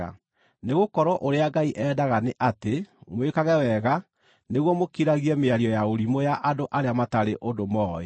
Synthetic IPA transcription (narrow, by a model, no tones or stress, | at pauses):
a̰ | neɣokɔɾwɔʔoɾeaɡaiʔɛːdaɣaneʔatemwekaɣɛwɛɣa | neɣwɔmokiɾaɣiɛmeaɾiɔjaoɾimojaʔadoʔaɾeamataɾeʔondomɔːḛ